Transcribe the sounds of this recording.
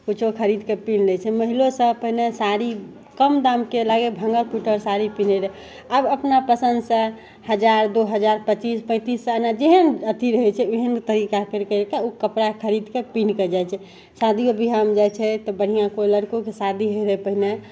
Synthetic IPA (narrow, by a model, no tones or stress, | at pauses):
kut͡ʃʰokʰəɾid̪kepinlɛt͡ʃʰɛməɦilosə̃pəɦinesaɾi | kəmd̪amkelaɡebʱə̃ŋɡəɾpuʈəɾsaɾipineɾəɦ | əbəpnapəsənd̪sə̃ | həd͡ʒaɾd̪oɦəd͡ʒaɾpət͡ʃispə̃ɪ̃t̪isːənad͡ʒeɦənət̪iɾəɦɛt͡ʃʰɛeɦənt̪əɾikakeɾkəkeukəpɾakʰəɾid̪kepinkəd͡ʒajt͡ʃʰɛ | sad̪ʱiobiɦamd͡ʒajt͡ʃʰɛt̪ɔbəɽ̤ijãkoləɾkokesad̪ʱiɦoɾəpəɦine